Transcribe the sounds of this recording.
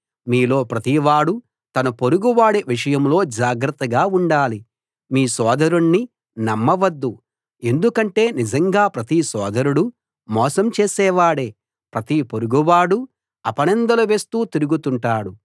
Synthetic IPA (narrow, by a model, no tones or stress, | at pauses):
miːlo̞ːpɾɐt̪iʋaːɽu | t̪ɐnɐpoɾuɡuʋaːɽeʋiʂɐjɐmlo̞ːd͡ʒaːɡɾɐt̪ːɐɡaːuɳɖaːli | miːsɔːd̪ɐɾuɳnːi | nɐmːɐʋɐd̪ːu | e̞nd̪ukɐɳʈe̞ːnid͡ʒɐŋɡaːpɾɐt̪isɔːd̪ɐɾuɽu | mɔːsɐmt͡ʃeːsɛːʋaːɽeː | pɾɐt̪ipoɾuɡuʋaːɽu | ɐpɐɳɛnd̪ɐlɐʋe̞ːst̪uːt̪iɾuɡut̪uɳʈaːɽu